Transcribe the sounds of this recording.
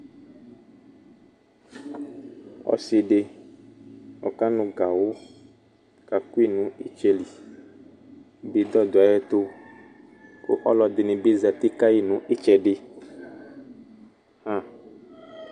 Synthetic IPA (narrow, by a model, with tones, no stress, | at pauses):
ɔ̰˦si˨ɖe˦ | ɔ̰˨ka˦nũ˦ɡa˨wo˦ | ka˨ku˦i˦nũ˦i˦t͡ʃɛ˦li˨ | bi˨d̪ɔ˦d̪o˨a˨jɛ˦t̪o˦ | ko̰˦ʔɔ˦lɔ˨d̪e˨nĩ˨be˦za˨t̪i˦ka˦ji˦nũ˦ʔi˦t͡ʃɛ˨ɖe˦ | hã˦˨